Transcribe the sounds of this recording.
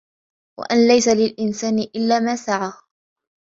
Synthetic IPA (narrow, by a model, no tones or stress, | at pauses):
wa̰ʔanlajsalɪlʔɪnsaːnɪʔɪlːaːmaːsaʕaː